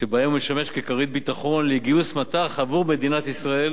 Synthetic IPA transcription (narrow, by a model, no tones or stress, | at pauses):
tebaemumeʃame̞ʃkekaʁit̪̚bit̪aχo̞nleɡiusmat̪aχavuʁme̞d̪inat̪isʁae̞l